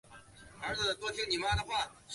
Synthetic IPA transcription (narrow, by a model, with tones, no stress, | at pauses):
ə˞˧˥t͡sə˥˩t̪wɔ˥t̪ʰjɛ˥ni˨˩ma˥d̪ə˨xwa˥˩